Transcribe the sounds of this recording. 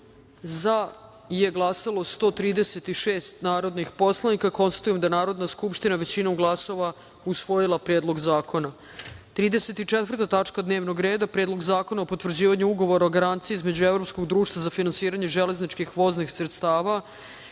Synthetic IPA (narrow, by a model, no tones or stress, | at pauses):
za | je̞ɡlˠasalˠo̞st̪o̞ːt̪ɾiːd̪eset̪iʃeːst̪naːɾo̞d̪nixpo̞slˠanikako̞nst̪ḁt̪ujemd̪ajenaːɾo̞d̪naskupʃt̪inaʋe̞t͡ɕinomɡlˠaso̞ʋa | usʋo̞jilˠapɾeːd̪lˠo̞ɡzaːko̞na | t̪ɾiːd̪ese̞t̪it͡ʂet̪ʋər̩t̪at̪at͡ʂkad̪ne̞ːʋno̞ɡɾeːd̪apɾeːd̪lo̞ɡzaːko̞naopo̞t̪ʋr̩d͡ʑiːʋaɲuuɡo̞ʋo̞ɾaoɡaɾant̪sijiizme̞d͡ʑuevɾo̞psko̞ɡd̪ɾuːʃt̪vazafinansiːɾaɲeʒele̞znit͡ʃkixʋo̞znixsɾet̪st̪aːʋa